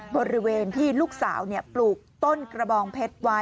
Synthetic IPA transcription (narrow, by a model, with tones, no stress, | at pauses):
bɔ˧ɾi˦˥weː˧nt̪ʰiː˥˩luː˥˩k̚sa̰ː˩˦wni˥˩ɐpluː˨˩k̚t̪o˥˩nkɾa˧bɔː˧ŋpʰe˦˥t̪̚wa˦˥